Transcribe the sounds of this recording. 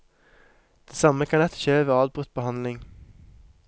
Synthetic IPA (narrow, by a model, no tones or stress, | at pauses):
d̪̥eːsɑməkʰɑnɛt̪çøːʋeːɑːdbʁʉt̪̚bəhɑnlɪŋ